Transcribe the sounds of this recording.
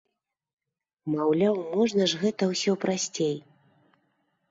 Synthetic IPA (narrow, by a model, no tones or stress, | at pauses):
mawlʲawmɔʐn̪ɐʐɣɛt̪ɐwsʲɔpɾasʲt͡sʲej